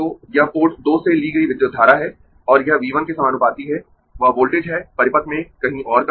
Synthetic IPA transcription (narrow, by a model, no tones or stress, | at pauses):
oːjɐɦpoːɾʈd̪oːseliɡɐiʋɪd̪jod̪ʱːaːɾaɦɛː | ɔːɾjɐɦʋiːʋənkesɐmaːnʊpaːt̪iɦɛ | ʋɐboːlʈeːd͡ʒɦɛːpɐɾɪpət̪mẽkɐɦĩʔɔːɾkɐ